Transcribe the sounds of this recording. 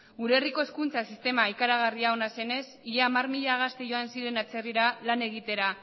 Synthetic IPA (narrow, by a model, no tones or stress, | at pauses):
ɡuɾeriko̞eskunt͡sasist̪e̞maikaɾaɣ̞ariao̞nase̞ne̞siɾeamarmiʎaɣ̞ast̪eʝo̞ansiɾe̞nat͡se̞riɾalane̞ɣ̞it̪e̞ɾa